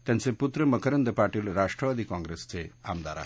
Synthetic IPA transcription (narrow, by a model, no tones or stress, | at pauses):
t̪enseput̪ɾəməkʰəɾɐnd̪əpaːɾʈilɾaʃʈɾəʋad̪ikɔ̃ŋɡɾest͡ʃʰea̰md̪a̰ːɾa̰